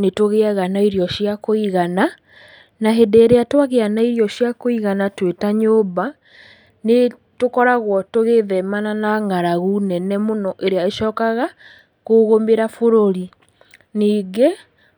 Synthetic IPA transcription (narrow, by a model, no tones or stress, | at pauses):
netoɣeaɣanaiɾjɔʃjakoiɣana | naɦedeːɾeatwaɣeanaiɾjɔɕjakoiɣanatwetaɲoːβa | ne | tokɔɾaɣwɔtoɣeðɛmananaŋaɾaɣunɛnɛmonɔʔeɾeaeʃɔːkaɣa | koɣomeɾafoɾoɾi | niːɡe